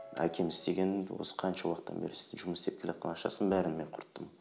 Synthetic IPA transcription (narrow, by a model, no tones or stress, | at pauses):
æ̰kʲʰe̞mɪzt̪e̞ɡʲe̞nwo̞̰sə̥qʰɑnʃɑwɑqt̪ːɑ̰nbe̞ɾɪsɪ̥zʒʊməsd̪e̞p̚kʲelet̪qḛnɑqʃɑsənbæɾɪnme̞ɴqʰʊɾt̪ːəm